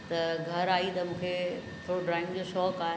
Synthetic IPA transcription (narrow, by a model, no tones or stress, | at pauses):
t̪ɐɡʱɐɾaːit̪ɐmũːkʰe | t̪ʰoːɽoɖɾaːɪ̃ŋɡd͡ʑoʃɔːkaːɦ